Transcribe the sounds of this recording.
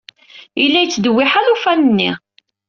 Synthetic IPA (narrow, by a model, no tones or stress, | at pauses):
ilːæjət͡sːd̪əwːiħaðufænənːi